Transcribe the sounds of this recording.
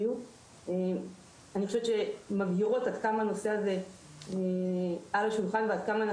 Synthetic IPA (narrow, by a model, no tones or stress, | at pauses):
u | em | anixoʃevtt͡ʃʃemaɡjiʁo̞tad̪kamano̞se̞aze̞ | alaʃulχanvead̪̚kaman